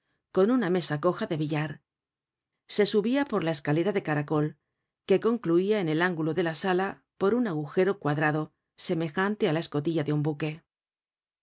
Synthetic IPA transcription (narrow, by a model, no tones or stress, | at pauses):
ko̞nuname̞sako̞xaðe̞β̞iʎaɾ | se̞suβiapo̞ɾlae̞skale̞ɾaðe̞kaɾako̞l | ke̞ko̞ŋkluiaene̞laŋɡulo̞ðe̞lasala | po̞ɾunaɣuxe̞ɾo̞kwaðɾaðo̞ | se̞me̞xant̪e̞alae̞sko̞t̪iʝaðeumbuke̞